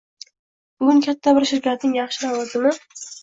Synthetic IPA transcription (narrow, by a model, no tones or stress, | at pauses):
bʊɡʊŋkʲʰat̪ʰːabɪɾʃʊɾkʰʲat̪̚nɪŋjɑχʃɪnawɒzɪmɪ